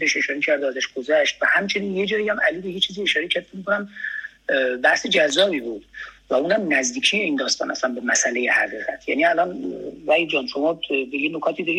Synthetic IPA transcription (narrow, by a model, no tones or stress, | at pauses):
eʃe̞ʃɒːɾecʰæɾd̪oæzæʃɡ̥ozæʃt̪̚væhæmt͡ʃʰe̞niːnje̞d͡ʒɒːjijæmæliːbejet͡ʃʰiːzie̞ʃɒːɾe̞cʰæɾd̪emikʰonæm | bæhse̞d͡ʒæzːɒːbiːbuːd̪̥væuːnæmnæzd̪iːcʰijeiːnd̪ɒːst̪ɒːnæslænbe̞mæsæle̞jehæɣiːɣæt̪ʰjæ̰niælɒːnvæjd͡ʒɒːnʃomɒːbejenokʰɒːt̪ʰid̪ɒɾi